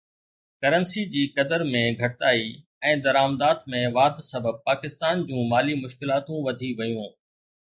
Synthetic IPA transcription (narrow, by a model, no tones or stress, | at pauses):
kɐɾənsid͡ʑiːkɐd̪əɾmẽɡʱɐʈtaːi | ɛ̃ːd̪ɐɾaːmd̪aːt̪mẽʋaːd̪sɐbʱəb̚paːkɪst̪aːnd͡ʑũːmaːlimʊʃkɪlaːt̪ũʋɐd̪ʱiʋɐjũː